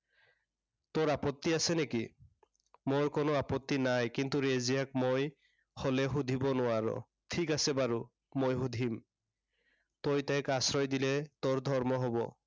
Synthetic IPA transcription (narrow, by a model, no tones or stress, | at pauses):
t̪oɹapɔt̪ːiasɛneki | moɹkonoapɔt̪ːinajkint̪uɹezijak̚moj | holɛɦud̪ʱibɔnʊaɹɔ̰ | tʰikasɛbaɹu | mojɦud̪ʱim | t̪ojt̪ɛjkasɹɔjd̪ilɛt̪oɹd̪ʱɔɹmɔɦɔbɔ̰